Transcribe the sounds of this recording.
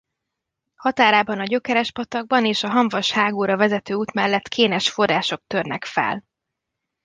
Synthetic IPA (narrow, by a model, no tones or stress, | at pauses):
hɒt̪aːɾaːbɒnɒɟø̞kɛɾɛʃpɒt̪ɒɡ̚bɒneːʃɒɦɒɱvɒʃhaːɡoːɾɒvɛzɛt̪øːuːt̪mɛlːɛt̪kʰeːnɛʃfo̞rːaːʃo̞k̚t̪ø̞rnɛkfɛ̰l